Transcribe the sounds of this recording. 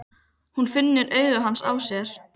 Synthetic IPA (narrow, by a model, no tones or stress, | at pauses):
hunfɪnːɪɾʔœːɥɣaɦansa̰ːwsjɛɾ̥